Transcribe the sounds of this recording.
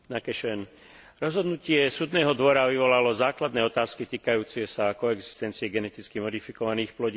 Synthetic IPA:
nakɛʃɛn | ɾɔzɦɔd̪nucɪɛsuːd̪nɛːɦɔd̪ʋɔɾaʋiʋɔlalɔzaːklad̪nɛːɔt̪aːskit̪iːkajuːt͡siɪɛsakɔɛɡzi̥st̪ɛnt͡siɛɡɛnɛt̪it͡skimɔd̪ifikɔʋaniːxplɔɟiː

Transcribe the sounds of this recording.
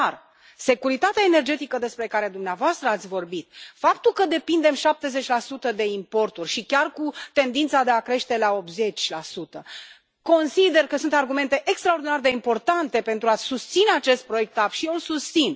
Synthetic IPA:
ar | se̞kuɾit̪at̪eaene̞rd͡ʒe̞t̪ikəd̪e̞spɾe̞kaɾe̞d̪umneavoast̪ɾəat̪sʲvo̞rbit̪̚fapt̪ulkəd̪e̞pind̪e̞mʃap̚t̪e̞ze̞t͡ʃʲlasut̪əd̪e̞impo̞rt̪urʲʃikʲarkut̪e̞nd̪int̪sad̪e̞akɾe̞ʃt̪e̞lao̞p̪ze̞t͡ʃʲlasut̪ə | ko̞nsid̪e̞rkəsunt̪arɡume̞nt̪e̞ʔekst̪ɾao̞rd̪inard̪e̞impo̞rt̪ant̪e̞pe̞nt̪ɾuasust̪sineat͡ʃe̞st̪̚pɾo̞je̞k̚t̪apʃiolsust̪sin

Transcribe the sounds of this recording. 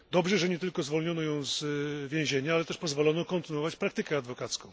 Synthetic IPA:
d̪ɔbʐɛʐɛɲɛt̪ɘlkɔzvɔlɲɔnɔjɔ̃w̃zvʲjɛ̃w̃ʑeɲaalɛt̪ɛʂpɔzvɔlɔnɔkɔnt̪ɘnuwɔvat͡ɕpɾakt̪ɘkɛad̪vɔkat̪skɔ̃w̃

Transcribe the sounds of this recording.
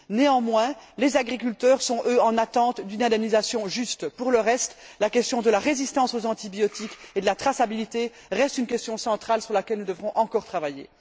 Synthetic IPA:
neɑ̃mwɛ̃lezaɡʁik̬ylt̪œʁsɔ̃ʔøɑ̃nat̪ɑ̃t̪d̪ynɛ̃d̪ɛmnizasjɔ̃ʒyst̪puʁləʁɛst̪lakʲɛst̪jɔ̃d̪əlaʁezist̪ɑ̃sozɑ̃t̪ibjɔt̪iked̪əlat̪χasabilit̪e | ʁɛst̪ynkʲɛst̪jɔ̃sɑ̃t̪χalsyʁlakʲɛlnud̪əvʁɔ̃ʔɑ̃kɔʁt̪χavajḛ

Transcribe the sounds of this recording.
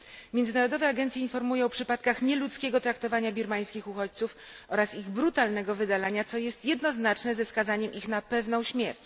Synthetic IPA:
mʲjɛnd̪ɘnaɾɔd̪ɔvɛaɡɛnt̪sʲjɛinfɔɾmujɔ̃w̃pʂɘpat̪kaxɲɛlut̪skʲɛɡɔt̪ɾakt̪ɔvaɲabʲiɾmaj̃skʲixuxɔt͡ɕt̪suf | ʔɔɾasiɣbɾut̪alnɛɡɔvɘd̪alaɲat̪sɔjɛst̪jɛd̪nɔznat͡ʂnɛzɛskazaɲɛmʔixnapɛvn̪ɔ̃w̃ɕmʲjɛɾt͡ɕ

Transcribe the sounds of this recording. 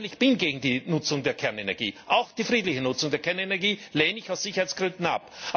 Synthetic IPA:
lɪçb̥ɪnɡeːɡŋ̩diːnʊt͡sʊŋdeːɐkʰɛɐnenɛɐɡḭːʔaʊxd̥iːfʁiːdlɪçənʊt͡sʊŋdeːɐkʰɛɐnenɛɐɡiːleːnɪçaʊsz̥içɐhaɪt͡sɡ̥ʁʏndn̩a̰p

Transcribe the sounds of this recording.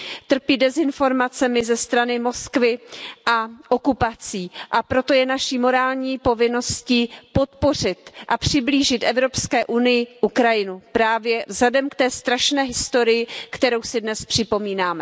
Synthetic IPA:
t̪r̩piːdɛzɪnfo̞ɾmat͡sɛmɪzɛst̪ɾanɪmo̞skvɪʔaʔokupat͡siːʔapɾo̞t̪o̞jɛnaʃiːmo̞ɾaːlɲiːpo̞vɪno̞sciːpo̞t̪po̞r̝ɪt̪ʔapr̝̥ɪbliːʒɪt̪ʔɛvɾo̞pskɛːʔunɪjɪʔukɾajɪnupɾaːvjɛvzadɛmkt̪ɛːst̪ɾaʃnɛːɦɪst̪o̞ɾɪjɪkt̪ɛɾo̞wsɪdnɛspr̥ɪpo̞miːnaːmɛ

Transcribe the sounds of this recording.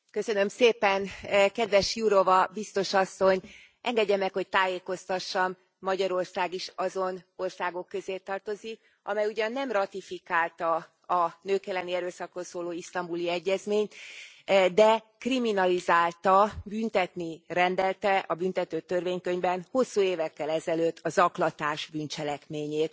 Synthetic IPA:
kø̞sø̞nø̞mseːpɛnkɛd̪ʋɛʃjuɾo̞vɒbist̪o̞ʃɒsːo̞ɲ | ʔɛŋɡɛɟːɛmːɛkho̞c̚t̪aːjeːko̞st̪ɒʃːɒmː | ɒɟɒɾo̞rsaːɡiʃɒzono̞rsaːɡo̞kːø̞zeːt̪ːɒrt̪o̞zik | ɒmɛjuɟɒnːɛmrɒt̪ifikaːlt̪ɒ | ɒnøːkɛlːɛniɛɾøːsɒkro̞lsoːloːist̪ɒmbuliɛɟːɛzmeːɲt̪ | d̪ɛ | kriminɒlizaːlt̪ɒbynt̪ɛt̪nirɛnd̪ɛlt̪ɛʔɒbynt̪ɛt̪øːt̪ørveːɲkø̞ɲbɛnho̞sːuːeːvɛkːɛlɛzɛløt̪ːɒzɒklɒt̪aːʒbynt͡ʃɛlɛkmeːɲeːt̪

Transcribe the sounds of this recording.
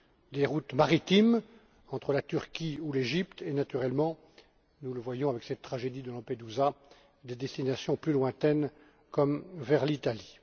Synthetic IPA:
d̪eʁut̪maʁit̪im | ɑ̃t̪χəlat̪yʁkʲiuleʒipt̪enat̪yʁɛlmɑ̃ | nuləvwajɔ̃avɛksɛt̪ːχaʒed̪id̪əlɑ̃ped̪uza | d̪ed̪ɛst̪inasjɔ̃plylwɛ̃t̪ɛn | kɔmvɛʁlit̪ali

